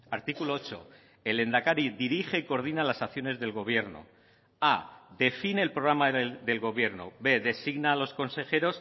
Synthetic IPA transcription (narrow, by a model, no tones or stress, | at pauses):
aɾt̪ikuloot͡ʃo̞ | e̞le̞nd̪akaɾiðiɾiχe̞iko̞ɾð̞inalasakθjo̞ne̞zðe̞lɣo̞β̞je̞ɾno̰ | ade̞fine̞ːlpɾoɣɾamad̪e̞lɣo̞βje̞ɾno̞̰βe̞ðe̞siɣnaːlo̞sko̞nse̞xe̞ɾo̞s